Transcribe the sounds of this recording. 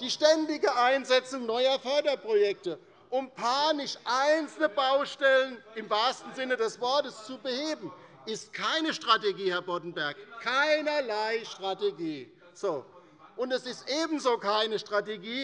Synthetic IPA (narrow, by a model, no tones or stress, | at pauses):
d̥iːʃtɛndɪɡəʔaɪnzɛt͡sʊŋnɔʏɐfœɐdɐpʁ̥ojɛk̚tə | ʔʊmpʰaːnɪʃʔaɪnt͡sl̩nəbaʊʃtɛlənɪmvaːstn̩zɪnədɛsv̥ɔɐtəst͡subəheːbm̩ | ʔɪst̚kʰaɪnəʃtʁ̥ateɡiːhɛɐbɔdn̩bɛɐkkʰaɪnɐlaɪʃtʁ̥ateɡiː | z̥oː | ʔʊntɛsɪstʔeːbn̩zoːkʰaɪnəʃtʁ̥ateɡiː